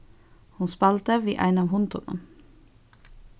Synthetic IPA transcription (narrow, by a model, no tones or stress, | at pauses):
hunspɑlt̪əʋiːʔæ̰ɪnɑːʋhʊnt̪ʰhʊ̰nʊ̰n